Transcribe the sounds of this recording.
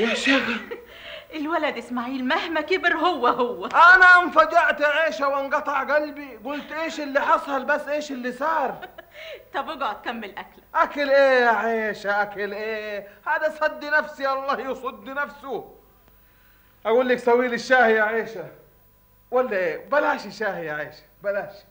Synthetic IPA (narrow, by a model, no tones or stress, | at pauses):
jaʃæ | ʔɪlwælæd̪ʔɪsmaʕiːlmæhmækɪbɪɾhʊwːæhowːæʔænæʔænfæd͡ʒaʕt̪ʕeːʃæwɑnɡɑt̪ˤɑʕɡælbiɡʊlt̪ʔeːʃɪlːiħɑsˤɑlbæsːʔeːʃɪlːisɑːɾˤ | t̪ˤɑbeɡɑʕt̪̚kæmːɪlʔæklʔækalʔeːaʕeːʃæʔækalʔeːhaːd̪æsˤɑd̪ːinæfsijaɑlˤːɑːhjesˤɑd̪ːinæfsʊ | ʔaɡuːlːaksæwːiːlɪʃːaːhjaʕeːʃa | wælːæʔeːbalaːʃɪʃːaːhaʕeːʃæ̥bælaːʃ